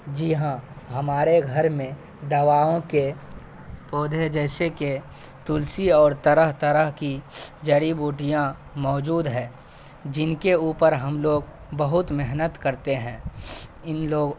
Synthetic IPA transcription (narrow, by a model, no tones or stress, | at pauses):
d͡ʒiɦãɦɐmaːɾeɡʱɐɾmẽ | d̪ɐʋaːõke | pɔːd̪ʱed͡ʒɛːseke | t̪ʊlsiɔːɾt̪əɾəɦt̪əɾəɦkid͡ʒɐɽibuːʈijã | mɔːd͡ʒuːd̪ɦɛ̃ː | d͡ʒɪnkeuːpəɾɦɐmloːɡ | bəɦʊt̪mɪɦnət̪kəɾt̪eɦɛ̃ːɪnloːɡ